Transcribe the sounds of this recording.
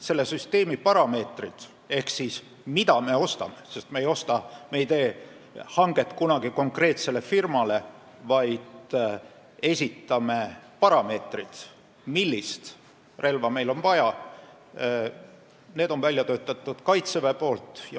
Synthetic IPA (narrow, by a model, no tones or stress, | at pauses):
se̞lːe̞syst̪e̞ːmipɑɾɑme̞ːt̪rid̪̥ | e̞hksis | mid̪̥ɑme̞o̞st̪ɑ̰me̞se̞st̪meːjo̞st̪ɑme̞jt̪e̞ː | hɑŋɡ̥e̞t̪ːˑkunɑɡ̥iko̞ŋkre̞ːt̪se̞le̞firmɑle̞ | vɑjd̪̥ | e̞sʲit̪ːˑɑme̞pɑɾɑme̞ːt̪rid̪̥ | milʲːist̪ | re̞lvɑme̞jlo̞nvɑjɑ | ne̞ːd̪̥o̞nvælʲjɑt̪øːt̪ːˑɑt̪ːˑud̪̥kɑjt̪sevepo̞ːlt̪ˑjɑ